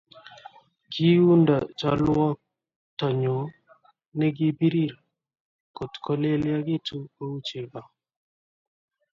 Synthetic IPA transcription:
ɡi˦u˦nda˨t͡ʃa˦lwɔ˦ | tɔ˨ɲo˨ | nɛ˦ɡɪ˦bi˦ɾi˦˨ɾa˨ | ko˨tkʰɔ˦le˦lja˦ɡɪ˦tu˦ko˦u˦t͡ʃe˨ɡa˨

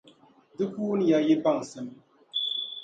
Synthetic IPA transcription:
dɨ˦kuː˦n˦ja˦je˦ba˦˨ŋ˨sɨ˨m

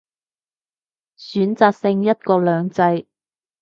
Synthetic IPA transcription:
syː˨˥nt͡saː˧k̚sɪ˧ŋjɐ˥t̚kɔː˧lœː˨˧ŋt͡sɐ˧j

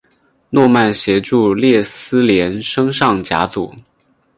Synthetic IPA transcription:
nwɔ˥˧ma˥˩nɕjɛ˧˥ʈ͡ʂu˥˧ljɛ˥˩sɹ̩˥ljɛ˧˥nʂɤ˥ŋʂɑ˥˩ŋt͡ɕja̰˧˥t͡sṵ˨˩˦

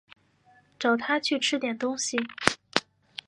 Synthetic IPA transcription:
ʈ͡ʂɑ˨˩ʊt̪ʰa˥t͡ɕʰy˥˩ʈ͡ʂʰɻ̩˥t̪jɛ˨˩nt̪ʊ˥ŋɕi˨˩

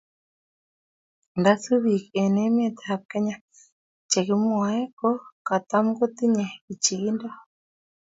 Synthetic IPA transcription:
nda˦su˦βi˨kɛ˨nɛ˦mɛ˦˨t̪ha˨p̚kɛ˦ɲa˦ | t͡ʃe˨ki˦mwa˨ɛ˦kɔ˦ka˨t̪a˦mɡo˦t̪i˦ɲɛ˨i˨t͡ʃi˨i˦nda˦

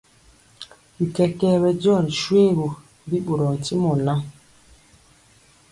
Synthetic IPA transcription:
bi˨kɛ˦kɛ˦bɛ˦dɔ˦˨ɾi˨ʃwe˦˨bo˨ | di˦ɓo˨ɾɔ˨n̩˨ti˦mɔ˨la˦

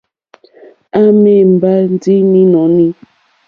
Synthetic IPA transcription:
a˦me˦˨m̩˨ba˦n˦di˦ni˦nɔ̃˨˦ni˦

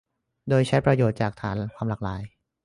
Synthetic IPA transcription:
doː˧jt͡ɕʰa˦˥jpɾa˧joː˨˩t̪̚t͡ɕaː˨˩k̚t̪ʰaː˩˦nkʰwaː˧mlaː˨˩k̚laː˩˦j

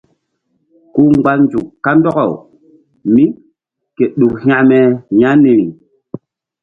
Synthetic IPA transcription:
ku˦ŋ͡mɡ͡ba˦nd͡ʒu˨kkːa˦ndɔ˦kɔ˨w | mi˦ | ke˨ɗu˨khj̃ã˦˨mɛ˨ja˦ni˨ɾi˨

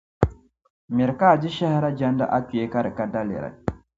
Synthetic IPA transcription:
mi˨ɾka˦˨d͡ʒi˦ʃɛ˦hɾa˦d͡ʒa˦nda̰˦ʔa˦ku˨e˦ka˦ɾi˨ka˦da˦lḭ˨ɾa̰˨

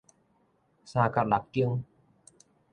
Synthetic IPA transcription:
saː˧kʰa˨˧˩la˨˩k̚ki˧əŋ

